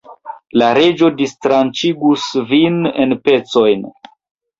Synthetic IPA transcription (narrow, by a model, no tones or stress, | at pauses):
laɾe̞d͡ʒo̞distɾant͡ʃiɡusvinḛnpe̞t͡so̞jn